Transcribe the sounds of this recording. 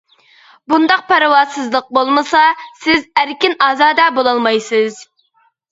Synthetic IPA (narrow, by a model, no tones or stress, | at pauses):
bund̪ɑq̚pʰæɾɨwɑːsɨzlˠəq̚bolˠmɨsɑsɪzæɾkʲinɑːzɑːd̪ɛbolˠɑlˠmɑjsɨz